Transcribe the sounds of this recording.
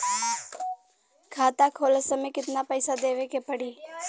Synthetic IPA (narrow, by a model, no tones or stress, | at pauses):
kʰaːt̪akʰoːləsəmẽkɪt̪napəːsad̪eːʋekepəɽiː